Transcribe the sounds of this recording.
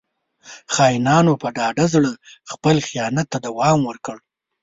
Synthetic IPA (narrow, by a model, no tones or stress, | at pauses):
xɑjnɑnopəɖɑɖazɽəxpəlxijɑnat̪ːad̪awɑmwəɾkəɽ